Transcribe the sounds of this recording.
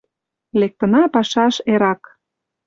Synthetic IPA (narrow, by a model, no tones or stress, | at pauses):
lek̚t̪ə̆nɑpɑʃɑʃeɾɑk